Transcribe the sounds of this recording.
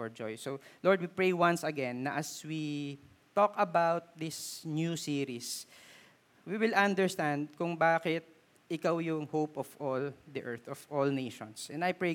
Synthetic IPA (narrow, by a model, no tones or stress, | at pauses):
fɔɹd͡ʒɔjsolɔɹd̪wipɹejwɐ̃nsɐɡɛ̃nːɐʔɐswi | t̪ɔkɐbawt̪̚d̪ɪsnjusiɹis | wiwɪlɐ̃nd̪ɛɹst̪ãnd̪̚kʊŋbaːkɪt̪̚ | ɪkawjʊŋhowpɔvʔɔld̪iʔɛɹt̪ɔvʔɔlnejʃɔ̃nsʔɛ̃nd̪ɐjpɹe